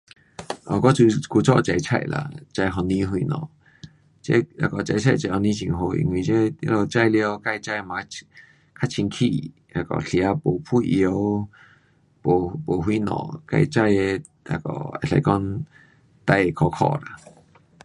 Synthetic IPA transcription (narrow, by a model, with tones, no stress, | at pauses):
ɔ˨kɔ˦t͡su˧ku˧t͡sɔ̰˦˧˨t͡ɕa˧˨jt͡sʰa̰˧˨jla̰˨t͡ɕa˧jɦɔ˧nĩ˦ɦwi˧nɔ̰̃˨ | t͡ɕe˦a˧˩kɔ˨˩t͡ɕa˧˨jt͡ɕʰa˥˧˨jt͡ɕa˧˩hɔ˧˩nĩ˦t͡ɕḭ˧˨ŋɦo˧ḭ˧ŋwi˨˩t͡ɕe˦ja˧˦lo˧˩t͡ɕa˥˧˨jlja˧ka˧jt͡ɕa˧jmã˨˧ | kʰa˦˥t͡ɕʰi˧nkʰḭ˧˨ | a˧˩kɔ̰˨ɬja˨˧po˨˩pʰu˦˧˨ʔjo˧ | po˨po˨˩ɦwi˧˦nɔ̰̃˨ka˧˨jt͡ɕa˥˧je˧ | a̰˧kɔ̰˧˩a̰˧ɬa̰˧˨jkɔ˦n | t̪a˧˨jkʰɔ˧kʰɔ̰˧la̰˨